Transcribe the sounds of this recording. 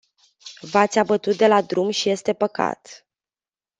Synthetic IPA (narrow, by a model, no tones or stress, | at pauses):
vat̪sʲabət̪ut̪̚d̪e̞lad̪ɾumʃije̞st̪e̞pəka̰t̪